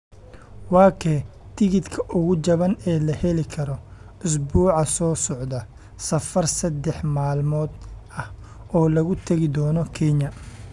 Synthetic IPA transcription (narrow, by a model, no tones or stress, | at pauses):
wɑːkʰɛ | t̪ʰɪɣɪd̪kʰɐʔʊɣʊt͡ʃɐβɐnɛːlɐhɛlɪkʰɐɾɔ | ʊs̬buːʕɑsɔːsɔʕd̪ɐ | sɐfɐrsɐd̪ɛħmaːlmɔːd̪ɐh | ɔːlɐɣʊt̪ʰɐɣɪd̪ɔːnɔkʰɛɲɐ